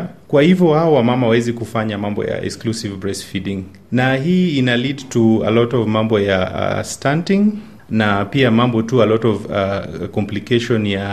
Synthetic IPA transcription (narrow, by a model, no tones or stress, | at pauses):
kwahivjɔhaɔwamamawawɛzikufaɲamambɔ̰ja̰ɛ̰ksklusivbɹɛsfidĩŋ | naɦiːinalidtua̰lɔtɔvmambɔja̰stantiŋ | napiamambɔtualɔtɔvakɔmplikeʃɔnja